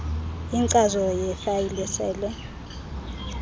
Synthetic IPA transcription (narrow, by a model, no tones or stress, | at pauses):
iŋǀazɔjɛfajilɛsɛːlwɛ